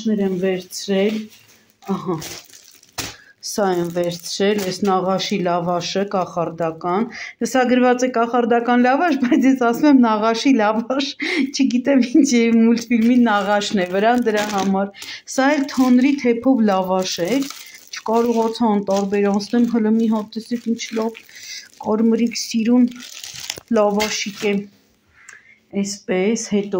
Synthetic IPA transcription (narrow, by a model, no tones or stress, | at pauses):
nɛɾɛnvɛɾt͡sʰɾɛl | ɑhɑ | sɑɛnvɛɾt͡sʰɾɛlɛsnɑʁɑʃilɑvɑʃəkɑχɑɾd̪ɑkɑnsɑɡəɾvɑt͡sɛkɑχɑɾd̪ɑkɑnlɑvɑʃbɑjt͡sʰjɛsɑsumɛmnɑʁɑʃilɑvɑʃt͡ʃʰəɡit̪ɛmint͡ʃʰjɛmult̪filminɑʁɑʃnɛvəɾɑnd̪əɾɑɦɑmɑɾsɑɛlt̪ʰɑnɾit̪ʰɛpʰɔvlɑvɑʃɛt͡ʃʰə̥kɑɾɔʁɑt͡sʰɑnt̪ɑɾbɛɾɑnt͡sʰnɛmɦələmiɦɑt̪ːɛsɛkint͡ʃʰlɑvkɑɾməɾiksiɾun | lɑvɑʃikɛ | ɛspɛshɛt̪ɔ